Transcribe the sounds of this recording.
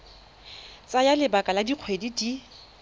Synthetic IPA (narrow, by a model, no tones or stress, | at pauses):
t͡sʼajalɪbakʼaladiq͡χʰwedidi